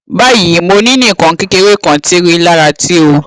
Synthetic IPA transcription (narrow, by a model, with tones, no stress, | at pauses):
ba˦˨ji˨˦mo˧nĩ˦nĩ˦˨kɔ̃˨ŋ˦ki˧ke˧we˦˨kɔ̃˨ti˦ɾi˦la˦ɾa˧ti˦o˧